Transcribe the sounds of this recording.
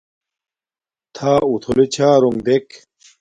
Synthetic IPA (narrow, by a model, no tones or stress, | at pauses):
t̪ʰaːut̪ʰolet͡ɕʰaːɾoŋd̪ek